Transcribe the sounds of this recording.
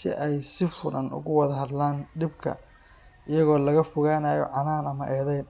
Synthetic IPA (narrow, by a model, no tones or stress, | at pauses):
sɪ̰ʔɛjsɪfʊɾɐnʊ̰ɣʊwɑðɐɦɐd̪laːnɖɪbkʰɐ̰ | ɪjɐɣɔːlɐɣɐfʊɣaːnaːjɔ̰ʕɑnaːnɐmɐʔɛːðɛjn